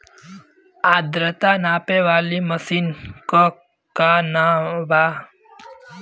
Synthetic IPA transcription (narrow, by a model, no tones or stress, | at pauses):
aːd̪ɾət̪anaːpeʋaːliməsiːnko | kanabaː